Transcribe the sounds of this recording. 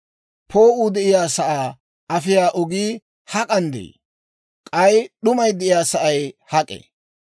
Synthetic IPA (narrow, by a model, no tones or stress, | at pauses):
pʰoːʔuːd̪ɛʔɪjaːsɐʔaː | ɐfɪjaːʔɔɡiː | hɐkʼɐnd̪ɛ̰j | kʼɐjɗʊmɐjd̪ɛɪjaːsɐʔɐjhɐkʼɛ̰